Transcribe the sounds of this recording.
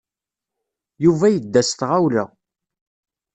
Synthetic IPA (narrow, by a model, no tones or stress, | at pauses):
juvæjəd̪ːæst̪ʁawlə̰